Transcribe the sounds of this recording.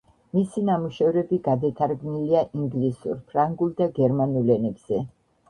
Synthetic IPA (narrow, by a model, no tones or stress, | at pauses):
misinamuʃɛvɾɛbiɡad̪at̪ʰaɾɡniliaʔiŋɡlisṵɾpʰɾaŋɡulˠd̪aɡɛɾmanulɛnɛbz̥ɛ